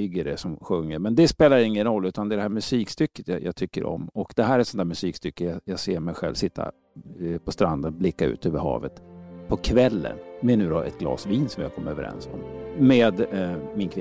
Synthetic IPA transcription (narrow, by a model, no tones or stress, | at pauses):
ʏɡəɾɛsɔmɧɵŋːəɾmɛnd̪ɛspeːlajaɪŋːənɾɔlːʉ̟ːt̪and̪ɛːɖɛhæːɾmɵsiːkst̪ʏkːət̪jʔɑ̰ɡt̪ʰʏkːəɾʔɔ̰mːɔkd̪̥ɛɦæːɾæsɔnt̪æːmɵsiːkst̪ʏkːəjɑjɑːɡseːɾmɛjɧɛlvsɪt̪ːa̰ | pʰɔst̪ɾand̪ənblɪkːaʉ̟ːt̪ʰøːvəɾɦɑ̰ːvət̪pʰɔkʰvɛlːə̰nmɛnʉ̟ːɾɔʔɛ̰t̪ɡlɑ̰ːsviːnsɔmjɑkʰɔmːəɾøːvəɾʔɛ̰nsɔ̰mmeːd̪mɪnkʰvɪ